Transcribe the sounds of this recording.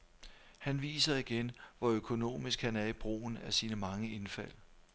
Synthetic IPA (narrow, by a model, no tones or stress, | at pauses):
hænʋḭːsɐiɡ̥enʋɒøkʰo̝no̝̰ːmisɡ̥hænæɐib̥ʁo̰ːn̩æsiːnəmɑ̈ŋəe̝nfæl̰